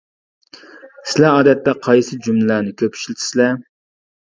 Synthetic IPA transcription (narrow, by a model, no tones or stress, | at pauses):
sɪlæɑːd̪ɛt̪ːɛqʰɑjsɨd͡ʒumlɨlænɪkʲʰøpʰʃilɪt̪ʰɪ̥sɪlɛ